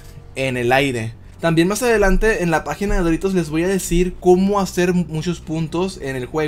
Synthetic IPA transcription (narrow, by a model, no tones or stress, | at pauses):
ene̞lajɾe̞ | t̪ambje̞nmasaðe̞lant̪e̞ːnlapaxinaðeðoɾit̪o̞zle̞zβo̞jaðe̞siɾko̞mo̞ase̞ɾmut͡ʃo̞spunt̪o̞se̞ne̞lxwe